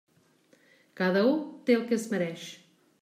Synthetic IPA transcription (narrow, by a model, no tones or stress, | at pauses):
kaðɐũt̪ẽukesmɐɾɛʃ